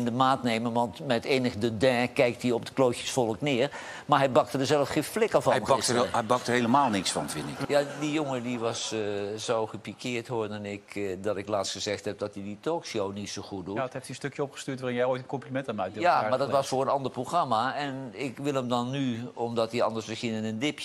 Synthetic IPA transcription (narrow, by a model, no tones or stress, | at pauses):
ɪndəmaːtnejmənʋɑntmɛteːnəɣədədɛ̃ːkɛjk̚tiɔp̚dəkloːkjəsfɔlˠəknɪːər | maɦɛjbɑk̚tədəzɛlˠəfxẽnflɪkəvɔɛɑəɛbɑk̚tərhejləmaːlˠnɪksfɑ̰nfɪndɪkjadijoŋədiʋɑssowxəpikʰɪəɹthoːdɔnɪkdɔtɪklaːtsxəzɛxthɛp̚dɔtiditʰoːkʃownitsoxut̚dutheftiənstøkjəopxə̥styːtʋaːrɪnjɛjoːjtənkɔmplimɛntanmaːk̚djamaɹdɔtʋɔsfʊːrənɑndərproxramaɛnɪkʋɪlˠəmdɔnːyɔmdɔtiɑ̰ndərsməsxiənɪnəndɪpjə